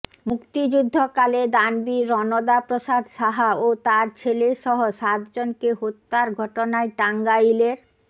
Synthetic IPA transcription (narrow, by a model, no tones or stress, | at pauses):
mukt̪id͡ʑud̪ʱːokaled̪anbiɾɔnod̪apɾoʃad̪ʱʃaɦaot̪aɾt͡ɕʰeleʃɔɦoʃat̪d͡ʑonkeɦot̪ːaɾɡʱɔʈonaeʈaŋɡaileɾ